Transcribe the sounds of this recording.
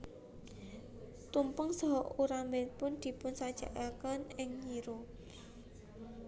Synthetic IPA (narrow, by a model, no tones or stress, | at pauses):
t̪umpəŋsɔɦɔʔuɾambɛt̪̚pʊnd̪̥i̤pʊnsad̥ʒ̥a̤̰kakanɪŋɲiɾu